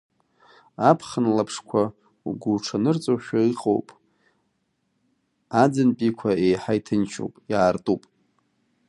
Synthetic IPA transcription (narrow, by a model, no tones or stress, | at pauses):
apʰχənlapʰʂkʷʰa | ṵɡʷulʈ͡ʂʰanɨrt͡sʼoʃᶣaiqʼo̰wpʼ | ad͡zanpʼikʷʰaejħajtʰɨnt͡ʃʰo̰wpʼjaːrtʼupʼ